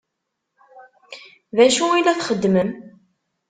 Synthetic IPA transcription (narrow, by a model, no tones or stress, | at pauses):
ðæʃuilæθχəd̪ːməm